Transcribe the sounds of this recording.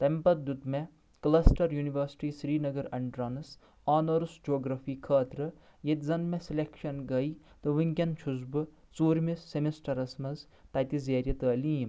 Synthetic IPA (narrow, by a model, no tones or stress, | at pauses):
t̪ɐmpɐɾ̚d̪ut̪me | klɐsʈɐɾjuːniʋɐɾsi̥ʈiːsɾiːnɐɡɐɾɐɳɖɾɐnɨs | aːnɐɾusd͡ʒoːɡɾɐfʰiːkʰɐːt̪ɾɐ | jet̪ʲzɐnmeselekʃɐnɡɐj | t̪ɨʋiŋkʲɐnt͡ʃʰuzbɨ | t͡suːɾmisːemisʈɐɾɐsmɐz | t̪ɐt̪izeːɾʲjɐt̪əːliːm